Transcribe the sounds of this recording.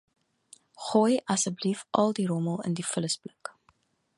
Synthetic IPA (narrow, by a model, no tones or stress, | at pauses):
χojʔɐsəblifʔɐlˠdiɾoməlˠə̰ndifələsblək